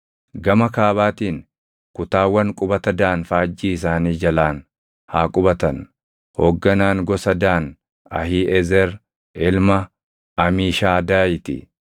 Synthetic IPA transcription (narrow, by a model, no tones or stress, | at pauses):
ɡɐmɐkaːβaːt̪iːn | kʊt̪aːwːɐŋkʼʊbɐt̪ɐd̪aːnfaːd͡ʒːiːɪs̬aːniːd͡ʒɐlaːn | haːkʼʊbɐt̪ɐn | hoːɡːɐnaːŋɡɔsɐd̪aːn | ɐ̰hiːʔɛzɛɾ | ɪlmɐ | ɐmiːʃaːd̪aːjɪt̪ɪ̰